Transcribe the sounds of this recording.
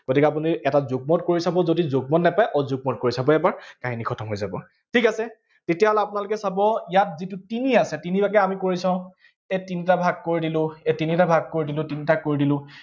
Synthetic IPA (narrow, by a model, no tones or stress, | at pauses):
ɡ̥otikɛap̬uniɛtazuɡ̚mɔtkoɹisabɔzodizoɡ̚mɔtnɛpajʔɔzuɡ̚mɔt̚koɹisabɔɛbaɹkaɦinikʰɔtʰɔmɦojzabɔ | tʰikasɛ | tetijaɦɔlɛapʊnalʊkɛsabɔijat̚zitʊtiniasɛtinibakɛamikoɹisãʊ̃ | etinitabʱaɡ̚koɹidilʊ̃ɛtinitabʱaɡ̚koɹidilʊ̃tinitakoɹidilʊ̃